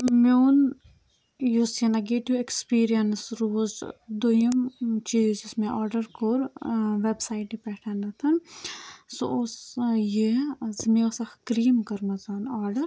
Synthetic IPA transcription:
moːn | jusenɐɡeːʈjuekspiːɾijɐnsɾoːzd̪ujəmt͡ʃiːzɪsmẽʔaːɾɖəɾkoɾʋebsaːiʈipɛːʈʰaːnɐt̪ʰɐn | so̰ʊsjezmesɐxkɾiːmkɐɾmɐzaːnaːɾɖəɾ

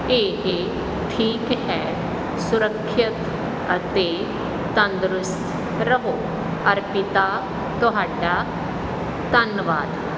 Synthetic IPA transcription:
eːɦe | ʈʰiːkɦɛ | sʊɾəkʰːɪt̪ | ɐt̪e | t̪ɐ̃nd̪ɾʊst̪ʰ | ɾɐɦoː | ɐɾpɪt̪a | t̪oɦaːɖa | t̪ɐnʋaːd̪

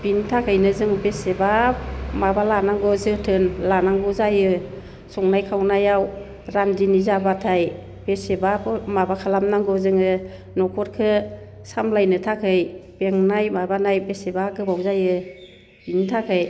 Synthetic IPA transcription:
bintʰakʰɯjnɯzɯŋbesebapmabalanaŋɡɔzɯtʰɯnlanaŋɡɔzajɯ | sɔŋnajkʰawnajaw | ɾamdinizabatʰaj | b̥esebapmabakʰalamnaŋɡɔzɯŋɯ | nɔkʰɔɾkʰɯ | samlajnɯtʰakʰɯjb̥eŋnajmabanajbesebaɡɯbawzajɯ | b̥intʰakʰɯj

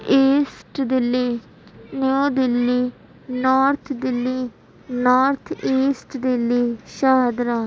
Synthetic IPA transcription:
eːsʈd̪ɪleː | neõːd̪ɪlːeː | nɔːɾt̪ʰd̪ɪlːiː | naːɾt̪ʰeːsʈd̪ɪleːʃaːd̪ɾaː

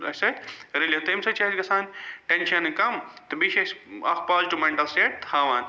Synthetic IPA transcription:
ɐsɐt̪ɾiljet̪ɐmsɐt͡ʃɐsɡɐsaːnʈenʃɐnkɐmt̪ɨbiʃeʃɐ̰kpaːzʈumeɳʈɐlseːʈ̚t̪haːʋaːn

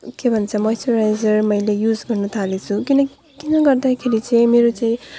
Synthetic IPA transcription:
kebʱʌnt͡sʰʌmʌsuɾajzʌrmʌjlejud͡zɡʌrnut̪ʰalet͡sʰukinʌk | kinʌɡʌrd̪akʰeɾit͡sʌĩmeɾot͡sʌĩ

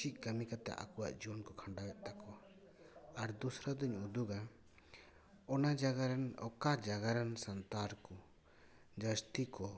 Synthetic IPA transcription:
ic̚ˀkamikat̪ɛ̰ʔa̰kuwa̰ʔd͡ʒiɔnkɔkʰaɳɖawɛʔ̪̚ˀt̪akɔ | aɾd̪usɾad̪əɲud̪uɡa | ɔnad͡ʒaɡaɾanɔ̰kad͡ʒaɡaɾansant̪aɾku | d͡ʒəst̪ikɔ

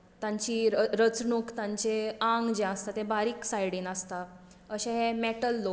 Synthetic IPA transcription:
t̪jãɲt͡ɕiːɾəɾət͡sɳokt̪ãɲt͡ɕeaŋɡd͡ʑeəst̪at̪ẽbaɾiːksajɽinəst̪a | əɕẽɦemeʈəlːo

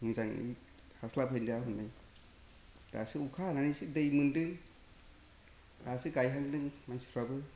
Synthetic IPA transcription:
mizaŋḭ | haslapʰɯjndaɦunːaj | da̰siukʰananisidejmundɯŋ | dasiɡajɦaŋdɯŋmansi̥ɾʰabɯ

